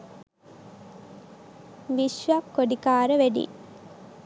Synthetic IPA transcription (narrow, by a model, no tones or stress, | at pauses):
ʋiʃʋɐkkːoɖikaːɾəʋæɖḭ